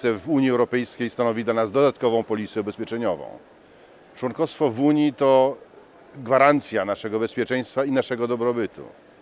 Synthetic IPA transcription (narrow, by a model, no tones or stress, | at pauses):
ɛvuɲiɛwɾɔpɛjskʲejst̪anɔvʲid̪lanazd̪ɔd̪at̪kɔvɔ̃w̃pɔlʲit̪sʲɛubɛspʲjɛt͡ʂɛɲɔvɔ̰̃w̃ | t͡ʂwɔŋkɔfst̪fɔvuɲjit̪ɔ | ɡvaɾant̪sʲjanaʂɛɡɔbɛspʲjɛt͡ʂɛj̃st̪fainaʂɛɡɔd̪ɔbɾɔbɘt̪ṵ